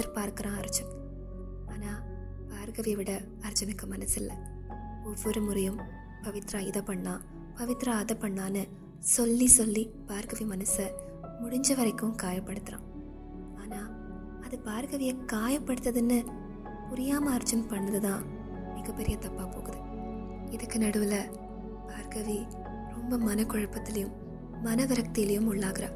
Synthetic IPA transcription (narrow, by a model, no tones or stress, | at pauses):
tɐɾpaːɾkɯɾãːɐɾɯt͡ʃːɐm | aːnaː | paːɾkɐʋɪjɐʋɪɽɐ | ɐɾt͡ʃːɐnɪkːɯmɐnɐsɪlːɐ̰ | ɔʋːɔɾɯmʊɾɐjɯm | pɐʋɪt̪ɾaːɪðɐpːɐɳːãː | pɐʋɪt̪ɾaːɐðɐpɐɳːaːnɯ | sɔlːisɔlːi | b̥aːɾkɐʋimɐnɯsɐ | mʊɽɪɲd͡ʒɐʋɐɾɐɪkːɯ̃mkaːjɐpːɐɽɯt̪ːɯɾã̰ː | aːnaː | ɐðɯpaːɾkɐʋɪjɐkaːjɐpːɐɽɯt̪ːɐðɯnːɯ | pʊɾɪjaːmɐɐɾd͡ʒɐnpɐɳːɐðɯðãː | mɪɣɐpːɛɾɪjɐt̪ɐpːaːpoːɣɯðɯ | ɪðɯkːɯnɐɽɯʋɪlɐ | paːɾkɐʋi | ɾɔmbɐmɐnɐkɔɻɐpːɐt̪ːɪlɐjɯ̃mː | ɐnɐʋɐɾɐk̚t̪ɪjɪlɐjɯmʊɭːaːɣɪɾɐ̰